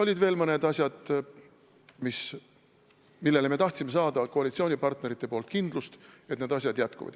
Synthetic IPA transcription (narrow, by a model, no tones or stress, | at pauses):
o̞lʲid̪ve̞ːlmɤne̞d̪ɑsʲjɑd̪̥ | mis | milːe̞le̞me̞t̪ɑht̪sime̞sɑːd̪̥ɑkoɑlit̪sio̞ːnʲipɑrt̪ne̞ɾit̪ˑːe̞po̞ːlt̪̚kind̪lust̪et̪ned̪ɑs̬ʲjɑd̪jæt̪kṵvɑ̰d̪̥